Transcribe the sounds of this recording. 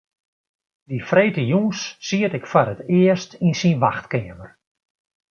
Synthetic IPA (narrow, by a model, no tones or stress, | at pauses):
difreːtəjunsːiətɪkfɔrətɪəstinsinʋaxtkɪəmər